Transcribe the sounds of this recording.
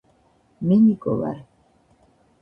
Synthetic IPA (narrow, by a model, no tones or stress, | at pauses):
minikɔ̰va̰ɾ